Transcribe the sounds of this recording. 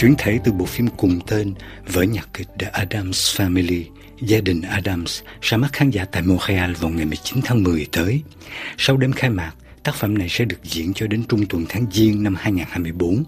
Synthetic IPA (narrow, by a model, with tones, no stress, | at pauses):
t͡ɕwi˧˩ənt̪ʰe˧˦t̪ɨ˨˩ɓo̰˧˨fi˧mkʊ˨˩ŋ͡mt̪e˧nvə̰ː˨˦jɲa˨˩t̚ki˨˩˥k̟̚ɗa̰ː˨˦ʔaː˧ɗa˧msfaː˧mi˧li˧ | zaː˧ɗï˨˩ŋ̟ʔaː˧ɗa˧mssɛ̰˧˥ma˦˥t̚xaː˨˦nzaː˧˥t̪a̰ː˧˨jmo˧ʁa˧ʔaː˧nvaː˨˩wŋa˨˩jmɨ˨˩əjt͡ɕi˨˦nt̪ʰaː˨˦ŋmɨ˨˩əjt̪əː˨˦j | sa˧wɗe˧mxaː˧jmaː˨˩t̚ | t̪aː˦˥k̚fə̰˧˥mna˨˩jsɛ̰˧˥ɗɨ˨˩ək̚zḭ˧˨ənt͡ɕɔ˧ɗe˨˦nt͡ɕʊ˧ŋ͡mt̪wə˨˩nt̪ʰaː˨˦ŋzi˧əŋna˧mhaː˧jŋaː˨˩nhaː˧jmɨ˧əjɓo˨˦n